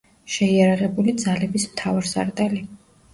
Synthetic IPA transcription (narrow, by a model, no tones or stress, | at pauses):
ʃɛiaɾaʁɛbulid̪zalɛbismt̪ʰavaɾsa̰ɾt̪ʼɛli